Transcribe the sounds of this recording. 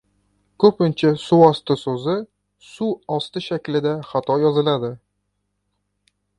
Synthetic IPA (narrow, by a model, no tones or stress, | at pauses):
kʰɵpɪnt͡ʃʰasuɒst̪ɪsɵzɪ | suɒst̪ɪʃakʲlɪd̪aχat̪ʰɒjɒzɪlad̪ɪ